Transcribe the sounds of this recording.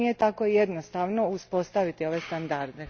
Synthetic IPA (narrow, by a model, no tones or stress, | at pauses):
ijet̪ako̞jed̪nost̪aʋno̞uspo̞st̪aʋit̪io̞ʋe̞st̪and̪aɾd̪e